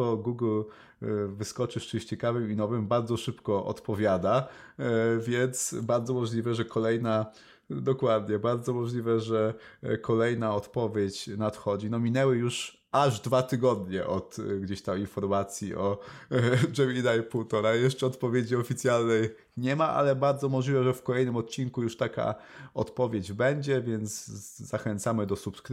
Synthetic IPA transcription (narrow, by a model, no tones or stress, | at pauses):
ɔɡuɡl | vɘskɔt͡ʂɘʂt͡ʂɘmɕt͡ɕɛkavɘminɔvɘmbaɾd̪zɔʂɘpkɔʔɔ̰t̪pɔvʲjad̪a | vʲjɛnt̪sbaɾd̪zɔmɔʐlʲivɛʐɛkɔlɛjna | d̪ɔkwad̪ɲɛbaɾd̪zɔmɔʐlʲivɛʐɛkɔlɛjnaɔt̪pɔvʲjet͡ɕnat̪xɔd͡ʑinɔmʲinɛwɘjuʂ | aʐd̪vat̪ɘɡɔd̪ɲɛʔɔt̪ɡd͡ʑeɕt̪aminfɔɾmat̪sʲjiʔɔ | d͡ʐɛvʲid̪ajpuwt̪ɔɾajɛʂt͡ʂɛɔt̪pɔvʲjed͡ʑiɔfʲit̪sʲjalnɛj | ɲɛmaʔa̰lɛbaɾd̪zɔmɔʐlʲivɛʐɛfkɔlɛjnɘmɔt̪̚t͡ɕinkujuʂt̪aka̰ | ɔt̪pɔvʲjed͡ʑbɛɲd͡ʑɛvʲjɛnt̪sːaxɛnt̪samɘd̪ɔsupskɾ